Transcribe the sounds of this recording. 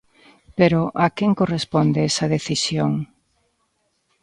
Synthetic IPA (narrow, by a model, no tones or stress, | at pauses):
peɾoʔakeŋkorespond̪eɛsɐðeθisjoŋ